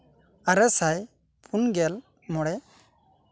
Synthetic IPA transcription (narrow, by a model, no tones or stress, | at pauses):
aɾɛsaj | pʰunɡɛl | mɔɽɛ